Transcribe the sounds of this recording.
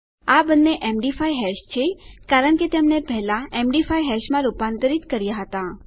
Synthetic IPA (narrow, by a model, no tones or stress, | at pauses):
abənːeʔemɖifajɦɛʃt͡ʃʰekaɾəɳket̪emnepɛɦlaemɖifaijɦɛʃmãɾupãnt̪əɾit̪kəɾjaɦət̪ã